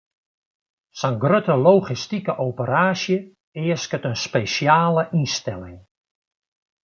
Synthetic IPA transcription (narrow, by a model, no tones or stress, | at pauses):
sanɡrøtəlowχistikəʔowpəɾaːsjə | ɪːəskətənspeʃjaːləʔinstɛlɪ̰ŋ